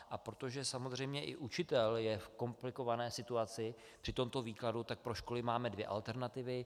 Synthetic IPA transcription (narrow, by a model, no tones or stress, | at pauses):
ʔapɾo̞t̪o̞ʒɛsamo̞zr̝ɛjmɲɛʔɪ̰ʔut͡ʃɪt̪ɛljɛfko̞mplɪko̞vanɛːsɪt̪uat͡sɪ | pr̥ɪt̪o̞mt̪o̞viːkladut̪ak̚pɾo̞ʃko̞lɪmaːmɛdvjɛ̰ʔa̰lt̪ɛɾnat̪ɪvɪ